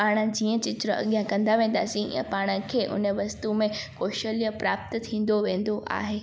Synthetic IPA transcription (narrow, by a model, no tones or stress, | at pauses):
paːɽ̃ə̆d͡ʑiːə̃t͡ɕɪtɾəɐ̰ɠjãkɐ̃nd̪aʋẽːn̆d̪aːsĩɐ̰̃paːɽ̃ə̆kʰeːʔʊ̰nə̆ʋɐst̪umẽkoːʃəlijəpɾaːp̚t̪t̪ʰĩːn̆d̪oʋẽːn̆d̪oʔa̰ːɦeː